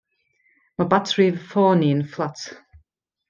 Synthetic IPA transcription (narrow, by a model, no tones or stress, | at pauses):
mabatʰɹiðəfɔːniənflˠat